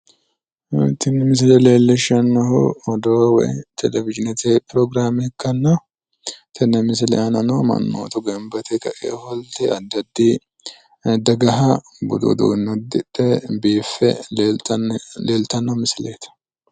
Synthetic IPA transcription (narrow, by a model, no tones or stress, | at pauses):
t̪ɪnːɛmɪs̬ɪlɛleːlːɪʃːɐnːɔɦʊ̰ɔd̪oːwɔ̰jt̪ʰɛlɛvɪd͡ʒɪnɛt̪epɾɔɡɾaːmɛɪkːɐnːɔ | t̪ʰɪnːɛmɪs̬ɪlɛ̰ʔɐnɐnoːmɐ̰nːo̰ːt̪ɔɡɛmbɐt̪ʰɛkɐʔḛːhɔlt̪ɛɐd̪ːɐd̪ːi | d̪ɐɡɐɦɐ | bʊ̰d̪o̰d̪ṵnːɔd̪ɪᶑɛbiːfːɛ̰ | leːlt̪ɐnːɔmɪsɪleːt̪ɐ̥